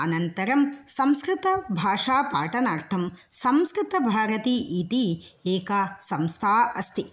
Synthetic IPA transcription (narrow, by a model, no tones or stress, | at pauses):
ɐnɐnt̪ɐɾɐmsɐmskɾɪt̪ɐbʱaːʂaːpaːʈɐnaːɾt̪ʰɐm | sɐmskɾɪt̪ɐbʱaːɾɐt̪iʔit̪i | eːkɐsɐmst̪ʰaːɐst̪i